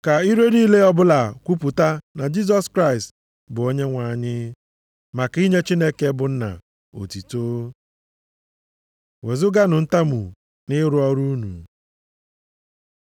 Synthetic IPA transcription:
ka˨i˦ɾe˦niː˦le˦ɔ˦bʊ˦la˨kʷu˦pu˨ta˦na˨d͡ʒi˦z̬ɔ˦skɾa˦ɪ˨st | bʊ˨o˦ɲe˦ŋʷa˨ɲɪ˦ | ma˨ki˦ɲe˦t͡ʃi˦ne˦ke˦bʊ˨n̩˦na̰˨ | o̰˨ti˨toː˦ | we˨zʊ˦ɡa˦nʊ˨n̩˦ta˦mu˨ | nɪ˦ɾʊ˦ɔ˦ɾu˦nṵ˨

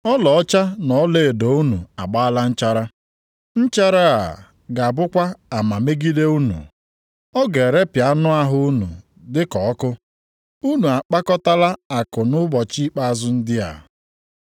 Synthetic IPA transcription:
ɔ˦lɔ˨ɔ˦t͡ʃa˦nɔ˨˦le˦˨e˨do˨u˦nṵ˨a̰˨ɡ͡ba˦a˦la˦n̩˦t͡ʃa˦ɾa˦ | n̩˦t͡ʃa˦ɾa˦a̰˨ | ɡa˨a˨bʊ˦kʷa˦a˨ma˨me˦ɡi˦de˦u˦nṵ˨ | ɔ˦ɡe˨ɾe˦pja˨˦nʊ˦a˦ɦʊ˦u˦nṵ˨ | dɪ˦kɔ˨ɔ˦kʊ˦ | u˦nu˨a˨k͡pa˦kɔ˦ta˦la˦a˨kʊ˨nʊ˦bɔ˨t͡ʃi˦k͡pa˦a˨zʊ˦n̩˦dɪ˦a̰˨

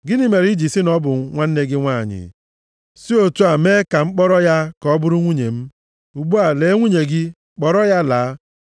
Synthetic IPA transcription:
ɡɪ˦ni˦me˨ɾi˦d͡ʒi˨si˦nɔ˦bʊ˨˦ŋʷa˦n̩˦ne˦ɡɪ˦ŋʷa˦˨ɲɪ̰˨ | si˦o˦tu˦a˨me˦ka˨ŋ͡m̩˦k͡pɔ˦ɾɔ˦ja˦kɔ˨˦bʊ˦ɾʊ˦ŋʷu˦ɲe˨m̩˦ | u˨ɡ͡bu˦a˨le˨˦ŋʷu˦ɲe˨ɡɪ˦ | k͡pɔ˨ɾɔ˦ja˦laː˨˦

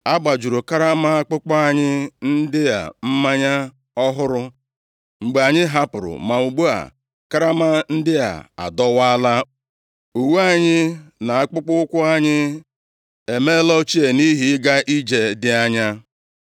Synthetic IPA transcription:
a˦ɡ͡ba˨d͡ʒu˨ɾo˨ka˦ɾa˦ma˦a˦k͡pʊ˦k͡pɔ˦a˦ɲɪ˦n̩˦dɪ˦ja̰˨m̩˦ma˦ɲa˦ | ɔ˦ɦʊ˦ɾʊ˦ | ŋ͡m̩˨ɡ͡be˨a˨ɲɪ˦ɦa˦pʊ˨ɾʊ̰˨ma˨u˨ɡ͡bo˦a̰˨ | ka˦ɾa˦ma˦n̩˦dɪ˦ja̰˨a̰˨dɔ˦wa˦la˦ | u˨wu˦a˦ɲɪ˦na˨a˦k͡pʊ˦k͡pʊ˦ʊ˦kʷʊ˦a˦ɲɪ˦ | e˨me˦lɔ˦t͡ʃi˦e˨ni˦ɦi˦ɪ˦ɡa˦ʔi˦d͡ʒe˨dɪ˦a˦ɲa˦

